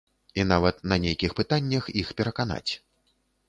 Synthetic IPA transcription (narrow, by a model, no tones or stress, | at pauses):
inavɐt̪̚nɐnʲejkʲixpɨt̪anʲːɐxixpʲɛɾɐkana̰t͡sʲ